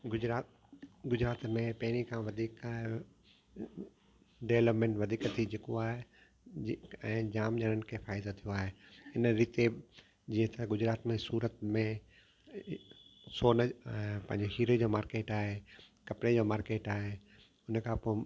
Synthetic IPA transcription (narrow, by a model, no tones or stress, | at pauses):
ɡʊɾaː | ɡʊd͡ʑɾaːt̪mẽpɐɦɪɽ̃ikʰãʋɐd̪ʱiːkaːɦe | ɖeʋləpmẽɳʈʋɐd̪ʱiːkt̪ʰid͡ʑekoaːɦe | ɛ̃ːd͡ʑaːmd͡ʑəɽənɪ̆kʰeːfaːɪd̪ot̪ʰijoaːɦeɪnɾiːt̪e | d͡ʑĩːə̃t̪ɐɡʊd͡ʑɾaːt̪mẽsuːɾət̪mẽ | soːnəpɐ̃ɦɪ̃ɲd͡ʑeɦiːɾəd͡ʑomaːɾkeːʈaːɦekɐpɽed͡ʑoːmaːɾkeːʈaːɦe | ʊnəkʰãːpo